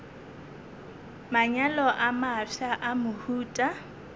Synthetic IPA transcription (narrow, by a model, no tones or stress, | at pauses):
maɲalɔʔamaʂaʔamʊhuːtʼa